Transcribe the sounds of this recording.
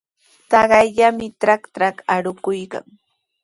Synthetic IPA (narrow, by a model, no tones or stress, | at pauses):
t̪ɑɢɑjʎamɪtɾaktɾakaɾʊkʊjka̰ŋ